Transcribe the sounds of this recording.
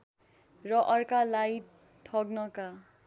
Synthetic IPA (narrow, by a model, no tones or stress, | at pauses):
rʌʔʌrkalaj | tʰʌɡnʌka